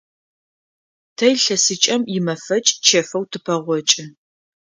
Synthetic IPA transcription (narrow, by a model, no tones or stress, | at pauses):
tʰɐjɬɐsɨt͡ʃʼɐmjɪmɐfɐt͡ʃʼt͡ʃʰɐfɐwtʰɨpʰɐʁʷɔt͡ʃʼɪ